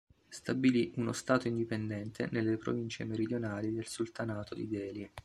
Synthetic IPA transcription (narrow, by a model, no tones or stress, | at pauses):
st̪abiliʔuno̰st̪aːt̪oind̪ipend̪ɛnt̪ʰḛnelːepɾo̰vint͡ʃemeɾid̪jonaːlid̪elsult̪anaːt̪od̪ḭd̪ɛːli